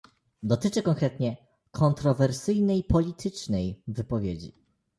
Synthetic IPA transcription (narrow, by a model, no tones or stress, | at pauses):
d̪ɔt̪ɘt͡ʂɘkɔŋkɾɛt̪ɲɛ | kʰɔnt̪ɾɔvɛɾsɘjnɛjpɔlʲit̪ʰɘt͡ʂnɛjvɘpɔvʲjed͡ʑḭ